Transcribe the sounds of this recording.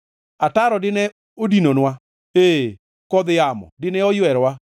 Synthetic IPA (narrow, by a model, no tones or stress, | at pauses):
ataɾɔdɪnɛ | odinonwa | e | kɔd̪jamɔ̰dɪnɛɔjwɛɾwa